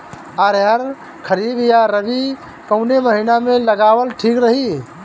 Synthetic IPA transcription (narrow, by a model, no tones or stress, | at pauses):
aɾɦəɾ | kʰəɾibjaɾəbi | kəʊneməɦinamẽləɡawəlʈʰikɾəɦi